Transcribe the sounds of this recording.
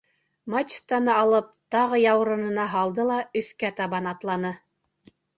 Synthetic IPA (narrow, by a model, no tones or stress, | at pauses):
mat͡ɕst̪ɑnɤɑlˠɤp̚t̪ɑʁɤjɑwɾɤ̆nɤ̆nɑɦɑlˠd̪ɤlˠɑɵ̆θkæt̪ɑβɑnɑt̪lˠɑnɤ